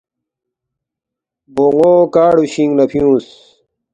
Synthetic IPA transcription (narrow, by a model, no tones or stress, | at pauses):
boŋoːkaːɽuɕĩŋɡnɐpʰijũːs